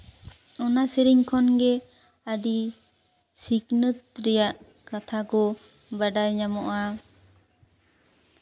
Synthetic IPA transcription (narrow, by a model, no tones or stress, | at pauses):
ɔnasiɾiŋkʰɔnɡɛ | əɖi | siknət̪̚ɾɛjaʔ | kat̪ʰakɔ | baɖajɲamɔʔa